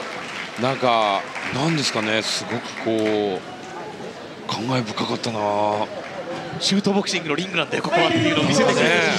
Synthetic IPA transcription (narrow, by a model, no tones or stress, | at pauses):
nãŋkanãnd̪e̞sɨ̥kanesɨɡo̞kɯ̟̥kʰo̞ː | kʰãŋɡaebɯ̟kːakat̪ːana | ɕɨːt̪o̞ːbo̞kɯ̟ɕĩŋɡɯ̟noɾʲĩŋɡɯ̟nãnd̪ejokokonat̪ːeiɯ̟noːmʲiset̪ekʲ